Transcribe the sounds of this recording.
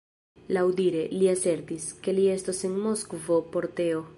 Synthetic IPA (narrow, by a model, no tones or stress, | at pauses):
lawdiɾe̞liase̞ɾtiske̞lie̞stosenmo̞skvo̞po̞ɾte̞o̞